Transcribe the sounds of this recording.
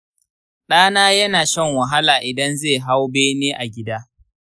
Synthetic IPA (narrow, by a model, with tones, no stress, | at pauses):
ɗaː˦naː˦jɐ˦naː˨ʃɛ˦ŋwɐ˨ɦa˦laː˨ʔɪ˨dɐ˦nzeː˦˨ɦa˦wbeː˦neː˦ʔa˨ɡʲɪ˦daː˦